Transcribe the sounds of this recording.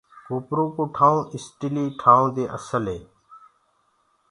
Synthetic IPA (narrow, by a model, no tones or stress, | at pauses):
koːpɾũːkoːʈʰaːũːʔɪsʈiliːʈʰaːũːd̪eːʔə̰səlɦeː